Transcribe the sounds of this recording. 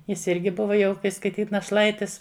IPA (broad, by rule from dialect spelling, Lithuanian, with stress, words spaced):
ˈjɪs ˈɪrʲɡʲɪ ˈbʊʋɐ jɛʊ kɐɪ skɐɪˈtʲiːt nɐˈʃlˠɐɪtʲɪs